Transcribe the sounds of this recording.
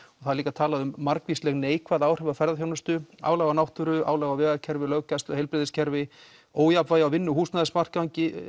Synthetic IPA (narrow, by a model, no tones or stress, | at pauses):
ɔɣθaðliːkat̪ʰaːlaðʏmːaɾkvislɛɣneːjkvaðaːwr̥ɛvafɛɾðaθjaːwnʏst̪ʏa̰ːwlaɣanawht̪ʏɾʏaːwlaɣavɛːɣacʰɛɾvɪlœɣcast̪ɔhejlpɾɪðɪscʰɛɾvɪ | oːwjapvaːjawvɪnːʏhuːsnaðɪsmar̥kawɲcɪ